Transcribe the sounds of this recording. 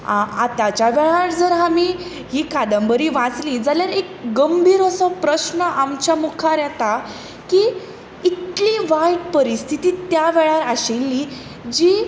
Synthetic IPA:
a̰t̪jat͡ɕaʋɛɭaɾd͡zəɾɦami | ɦiːkad̪əmbəɾiːʋãt͡sliːd͡zaljaɾekɡəmbʱiːɾəsɔpɾəɕnəʔamt͡ɕamukʰaɾjɛt̪a | ki | it̪liʋajʈpəɾist̪ʰit̪iːt̪jaʋɛɭaɾaɕelːi | d͡ʑi

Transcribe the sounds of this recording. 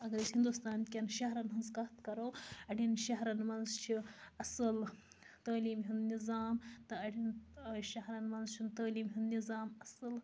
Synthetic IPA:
ɐɡɐɾishind̪ust̪aːnkʲɐnʃɐɦɾɐnɦɐnzkɐɦt̪kɐɾowɐɽʲinʃɐɦɾɐnmɐnzt͡ʃʰiɐsəl | t̪ɐːliːmɦind̪nizaːmt̪ɐɐɽinʃɐɦɾɐnmɐnzt͡ʃʰint̪ɐːliːmɦind̪nizaːmɐsɨl

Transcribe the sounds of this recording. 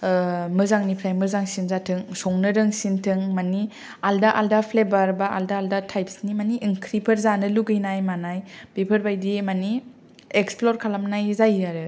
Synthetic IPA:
mɯzaŋnipʰɾajmɯzaŋsinzatʰɯŋsɔŋnɯɾɯŋsintʰɯŋmani | aldaʔaldapʰlebaɾbaaldaaldatʰajpsnimaniʔːŋkʰɾipʰɯɾzanɯluɡɯjnajmanajb̥ipʰɯɾbajdimani | eksploɾkʰalamnajzajaɾɯ

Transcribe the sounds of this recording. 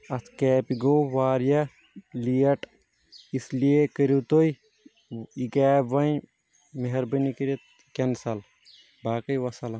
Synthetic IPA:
ɐt̪ʰkɛːpiɡoːʋaːɾijɐ | lijɐʈ | islijekəɾut̪oj | ikaːbʋɐn | meɦɐɾbɐnikiɾɐt̪̚ | kensɐl | baːkɐjʋɐsɐlɐ

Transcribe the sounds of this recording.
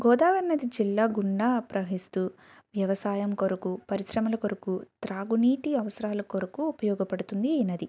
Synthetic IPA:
ɡɔːd̪aːʋɐɾnɐd̪id͡ʒilːaːɡuɳɖaːpɾɐɦist̪u | ʋjɐʋɐsaːjɐmkoɾukupɐɾisɾɐmɐlɐkoɾɐkut̪ɾaːɡuniːʈiɐʋɐsɐɾaːlɐkoɾɐkuːpɐjɔːɡɐpɐɽut̪und̪iɐnɐd̪i

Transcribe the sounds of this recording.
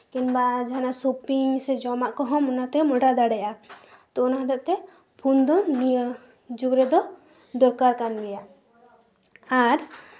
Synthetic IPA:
kinbad͡ʒanasopiŋsɛd͡ʒɔmaʔkɔɦɔmɔnat̪ɛmɔɖad̪aɽɛjʔat̪ɔɔnaɦd̪ɛʔt̪ɛ | pʰund̪ɔnni | d͡ʒuɡɾɛd̪ɔ | d̪ɔɾkaɾkanɡɛjaʔ | aɾ

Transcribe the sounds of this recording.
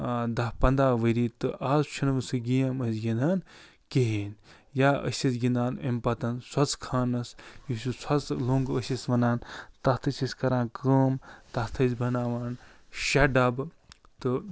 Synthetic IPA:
d̪ɐpɐnd̪aːʋəɾiːt̪ɨʔaːzt͡ʃʰinʋɨsɨɡijɐmɐsɡʲind̪aːn | keɦeːn | jaːʔə̰sʲisɡind̪aːnḛmpɐt̪ɐnswɐt͡sʰkʰaːnɐsjisʲusɐt͡slõːŋɡəsʲisʋɐnaːnt̪ɐst̪ʰɨt͡ʃisʲkɐɾãːnkəːmt̪ɐst̪ʰɐsbʱɐnaːʋaːn | ʃɐɖɐb | t̪ɨ

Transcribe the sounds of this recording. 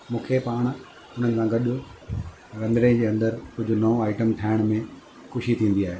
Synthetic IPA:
mũːkʰepaːɽ̃ | ʊn̤ənɪ̆sãɡɐɗʊ | ɾɐ̃nd̪ɾẽd͡ʑeːɐ̃nd̪əɾkʊd͡ʑʱʊnɐõaːɪʈəmʈʰaːɪɽ̃mẽ | xʊʃit̪ʰĩːnd̪iaːɦeː

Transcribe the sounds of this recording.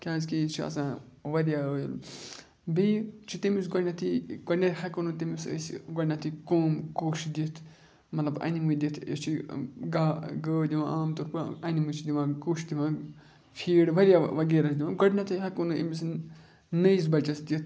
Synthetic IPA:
kʲãːzkit͡ʃʰiɐ̰sãː | ʋɐɾijaːəjil | bit͡ʃʰit̪imisɡɐnat̪ʰiɡɐɖnɐt̪hɐkunut̪imisə̰siɡɐɖʲnat̪ʰikoːmkuːʃd̪it̪ʰ | mɐt̪lɐbɐ̰nimud̪it̪ʰjɐ̰t͡ʃʰiɡaːɡəːd̪iʋã̰ʔaːmt̪oːɾpɨɐnimut͡ʃʰid̪iʋãːkuːʃd̪iʋãː | fʰiːɽʋɐɾijaʋɐɡeːɾɐsʰd̪iʋãːɡɐɖnat̪ʰiɦɐkunuḭmis | nɐjs̬bɐt͡ʃɐsd̪ʲit̪ʰ

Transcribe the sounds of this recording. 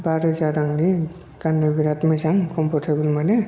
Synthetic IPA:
baɾɯzaɾaŋli | kanːɯbiɾatmasaŋkɔmpʰɔɾtʰebɯlmane

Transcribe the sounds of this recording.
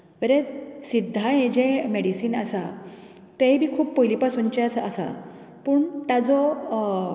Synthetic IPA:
ʋəɾed͡zsid̪ʱːaẽd͡ʑemeɽisiːnasa | t̪ẽbʱiːkʰuːpːojliːpasunt͡ɕeasasa̰ | puːɳt̪ad͡zɔ

